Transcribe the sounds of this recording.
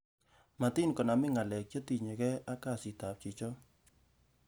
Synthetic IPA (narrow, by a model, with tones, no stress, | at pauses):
ma˨ti˦nkɔ˨na˨mɪ˦ŋa˨lɛ˨k̚t͡ʃo˦ti˨ɲe˨kɛ˦a˦ka˦˨si˨ta˨p̚t͡ʃi˨t͡ʃɔ˦